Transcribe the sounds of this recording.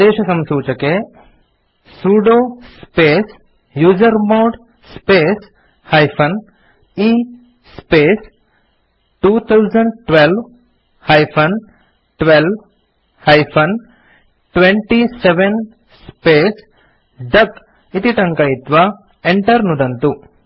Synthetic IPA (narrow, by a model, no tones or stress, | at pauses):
eːʃɐsɐmsuːt͡ʃɐke | suːɖoːspeːs | juːd͡ʒɐɾmoːɖ | speːs | hɐjpʰɐn | iː | speːs | ʈuːt̪ʰɐwd͡ʒɐɳɖʈʋelʋ | hɐjpʰɐn | ʈʋelʋ | hɐjpʰɐn | ʈʋeɳʈiseʋen | speːs | ɖɐk | it̪iʈɐŋkɐjit̪ʋa | eɳʈɐɾnud̪ɐnt̪u